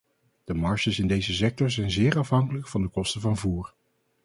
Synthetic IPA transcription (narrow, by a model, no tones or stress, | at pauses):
d̥əmɑɹʃəsɪndejzəs̬ɛk̚tɔɹzɛjnzɪːɹɑfɦɑŋkələkfɑndəkɔstəvɑnvuːɹ